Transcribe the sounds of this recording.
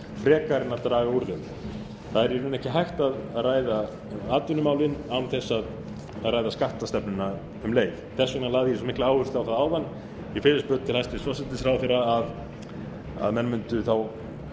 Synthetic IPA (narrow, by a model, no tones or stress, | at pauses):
fɾɛːkaɾɪnːaɾt̪ɾaːɣauɾðɪm | θaðɛɾɛɾʏnɛhcɪɦajht̪aððraːjða | aːt̪vʏnʏmaːwlɪnamθɛsːað | ðraːjðaskaht̪ast̪ɛpnʏna | ʏmleːjvθɛsːɛnalaːɣðɪjɛs̬ɔmɪhklaaːwhʏr̥st̪awθaðaːwðanː | ifɪɾɪst̪pœːt̪t̪ʰɪlajst̪ɪsvɔsɪt̪ɪsɾawθɪɾaað | a̰ðmɛnmʏnt̪ʏθaw